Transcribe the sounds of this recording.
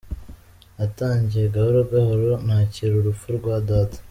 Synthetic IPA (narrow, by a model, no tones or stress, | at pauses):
ataːɲɟieɡahuɾoɡahoɾonhaːciɾuɾufuɾɡwaːdaːtḁ